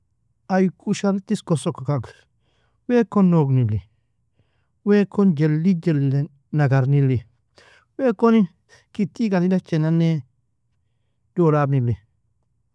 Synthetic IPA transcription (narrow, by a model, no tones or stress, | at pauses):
ajkʰuʃaɾtiskosokakak | wekonːoɡnili | wɛːkond͡ʒelːid͡ʒelːe | naɡaɾnili | weːkoni | kitiɡalidat͡ʃɛnane | d̥olabnili